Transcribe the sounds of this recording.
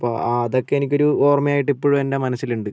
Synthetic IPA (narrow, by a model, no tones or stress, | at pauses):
ɐpːoːɐðo̞kːe̞enikʲːo̞ɾuoːrmɐjaːjiʈːipːoːɻume̞ndemɐnɐsːiluɳɖɨ